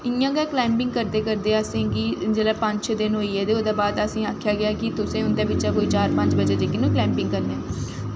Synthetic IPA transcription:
ɪjãːɡɛːklɛːmpɪ̃ŋɡkəɾd̪eːkəɾd̪eːəsẽːɡid͡ʒeːlaːpəɲt͡ʃd̪ɪnɦoːiːɛːd̪eːoːd̪aːbaːd̪əsĩːaːkʰːjaːɡɪaːkɪt̪ʊsẽːʊnd̪eːbɪt͡ʃaːkoːiːt͡ʃaːɾpə̃ɲd͡ʒbəd͡ʒeːd͡ʒeːkːɪnũːklɛ̃ːmpɪ̃ŋɡkəɾneː

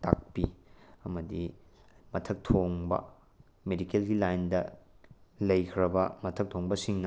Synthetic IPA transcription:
ta̰k̚piɐmɐdi | mɐtʰɐk̚tʰoŋbɐ̰ | medikelɡilajndɐ | lɐjkʰɾɐbɐmɐtʰɐk̚tʰoŋbɐsiŋnɐ

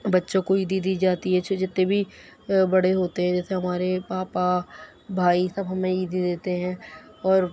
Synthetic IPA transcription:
bɐtːʃõkoiːd̪id̪iːd͡ʒaːt̪iɦɛt͡ʃʰd͡ʒɪt̪ːẽbʱi | bɐɽeɦoːt̪eɦɛ̃d͡ʒɛːseɦɐmaːɾepaːpa | bʱaːisɐbɦɐmẽiːd̪id̪eːt̪eɦɛ̃ː | ɔːɾ

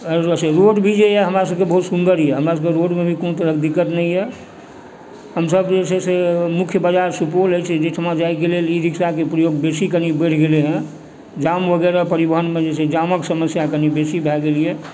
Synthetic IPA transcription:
seɾoʈbʱid͡ʒejɛɦəmɾasəb̚kebəɦut̪sund̪əɾijɛɦəmɾasəbkeɾoʈmebʱikonut̪əɾəkd̪ikːət̪nəijɛ | ɦəmsəbd͡ʒesesemukʰjəbəd͡ʒaɾsupoləjt͡ʃʰɛd͡ʒeʈʰəmad͡ʒaik̬eleliɾiksakepɾəjoɡbesikənibəʈʰɡeleɦɛ̃ | d͡ʒamʋəɡɛɾapəɾibəɦənmed͡ʒesed͡ʒaməksəməsjakənibesibʱɛɡelijɛ

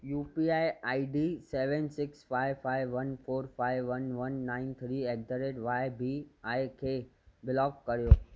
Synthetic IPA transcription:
juːpiajaiɖiseʋənsɪksfaɪʋfaɪʋːənfʰoːɾfaɪʋːənʋənːãɪnt̪ʰɾiek̚dəɾeʈʋajbʱiajkʰebɪlɔkkəɾjoː

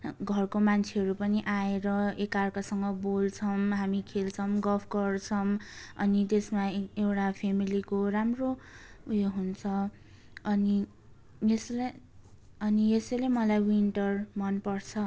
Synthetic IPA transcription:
ɡʱʌrkomant͡sʰeɦʌɾupʌniʔaeɾʌekarkasʌŋɡʌbolt͡sʰʌmɦamikʰelt͡sʰʌmɡʌpʰɡʌrt͡sʰʌmʌnit̪esmaewʈapʰemilikoramroujeɦunt͡sʰʌ | ʌni | jesl | ʌnijesʌlemʌlajwinʈʌrmʌnpʌrt͡sʰʌ

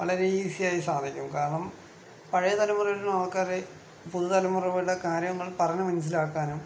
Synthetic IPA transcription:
ʋɐɭɐɾeiːsijaːjisaːd̪ʱikʲːumkaːɾɐɳɐm | pɐɻɐjɐt̪ɐlɐmːurɐʋɐlunaːɭkaːɾe | puðut̪ɐlɐmːurɐʋɐɽɐkaːɾjɐɐŋːɐɭpɐrɐnɐmɐnɐs̬ilaːkːaːnum

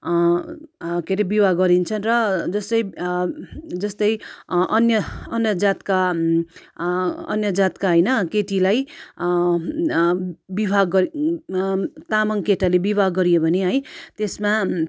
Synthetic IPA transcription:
keɾibibaɡɡʌɾint͡sʰʌnrʌd͡zʌst̪ʌj | d͡zʌst̪ʌjʔʌnjʌʌnjʌd͡zat̪ka | ʌ̰njʌd͡zat̪kaɦʌjnʌkeʈilaj | bibʱaɡʌ | t̪amʌŋkeʈalebibʱaɡːʌɾijobʱʌneɦʌjt̪esma

